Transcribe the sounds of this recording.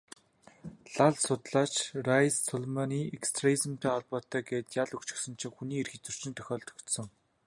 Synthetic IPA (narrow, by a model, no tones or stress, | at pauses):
ɮaɮsʊt̪ɮaːt͡ɕrajssɔɮmaniːekst̪ʰreizə̆mt̪ʰæːɔɮpɔːt̪æːɡeːt̪jaɮɵkt͡ɕɪ̥̆xsɵ̆nt͡ɕʰɪ̆ŋxuniːerxĭt͡sɵ̥r̥t͡ɕɪ̆nt̪ʰœxʲɔːɮt̪ɵ̥kt̪sɞ̆ŋ